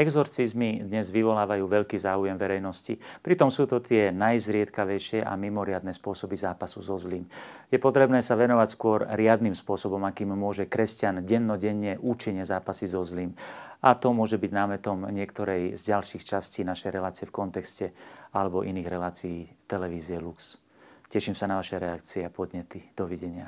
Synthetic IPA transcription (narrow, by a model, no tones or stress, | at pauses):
ɛɡzɔɾt͡sizmid̪ɲɛzʋiʋɔlaːʋajuːʋɛʎkiːzaːujɛmʋɛɾɛjnɔscḭpɾit̪ɔmsuːt̪ɔt̪ɪɛnajzɾɪɛt̪kaʋɛjʃɪɛʔa̰mimɔɾɪad̪nɛːspʊɔsɔbizaːpasuzɔzliːmjɛpɔt̪ɾɛbnɛːsaʋɛnɔʋacskʊɔɾɾɪad̪nimspʊɔsɔbɔmakiːmːʊɔʒɛkɾɛscanɟɛnːɔɟɛɲːɛʔuːt͡ʃiɲɛzaːpasizɔzliːmat̪ɔmʊɔʒɛbiɟnaːmɛt̪ɔmɲɪɛkt̪ɔɾɛjzɟalʃiːxt͡ʃasciːnaʃɛjɾɛlaːt͡siɪɛfkɔnt̪ɛkscɛalɛbɔʔiniːɣɾɛlaːt͡siiːt̪ɛlɛʋiːziɛluks | cɛʃimsanaʋaʃɛɾɛakt͡siɛapɔd̪ɲɛt̪id̪̥ɔʋiɟɛɲɪa